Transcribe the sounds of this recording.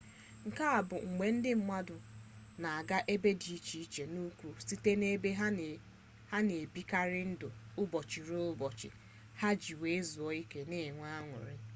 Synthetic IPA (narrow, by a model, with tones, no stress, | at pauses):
ŋ̩˨ka˦a˨bʊ˨ŋ̩˨ɡ͡be˨n̩˦dɪ˦m̩˦ma˦dʊ˨ | na˨a˨ɡa˦ʔe˦be˦di˨i˦t͡ʃi˨i˦˨t͡ʃe˨nu˦kʷu˦si˦te˦ne˦be˦ɦa˦ | ha˦ne˨bi˦ka˦ɾɪ˦n̩˦dʊ˨ʊ˦bɔ˨t͡ʃɪ˨ɾʊ˦bɔ˨t͡ʃɪ̰˨ | ha˦d͡ʒi˨we˨˦zu˨ɔ˦i˦ke˦ne˦˨ŋʷa˦a˦ŋʷʊ̰˨ɾɪ˦